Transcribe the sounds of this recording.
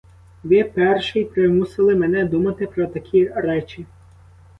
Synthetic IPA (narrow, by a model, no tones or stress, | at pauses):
ʋɪpɛrʃɪjpɾɪmusɪlˠɪmenɛd̪umɐt̪ɪpɾɔt̪ɐkʲʰiɾɛt͡ʃʲi